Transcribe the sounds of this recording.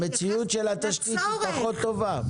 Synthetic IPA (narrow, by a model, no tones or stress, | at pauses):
met͡siut̪ʃelhat̪aʃkit̪paχo̞t̪ːo̞va